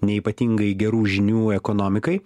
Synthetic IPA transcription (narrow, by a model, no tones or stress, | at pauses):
nʲɛiːpɐt̪ʲiːŋɡɐɪɡʲɛɾuːʒʲɪnʲuːɛkɔnɔːmʲɪkɐɪ